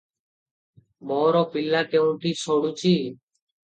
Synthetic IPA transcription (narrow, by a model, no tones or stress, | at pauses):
moːɾoːpɪlːaːkeːũːʈiːsoːɽuːt͡ʃiː